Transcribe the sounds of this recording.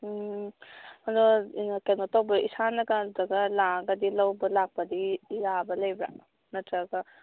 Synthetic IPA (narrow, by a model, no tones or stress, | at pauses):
mɐdɔinakenotawbɐʔisanɐɡadɐɡɐlaɡɐdilɐwbɐlak̚pɐdijabɐlɐjbɾa̰ | nɐtɾaɡɐ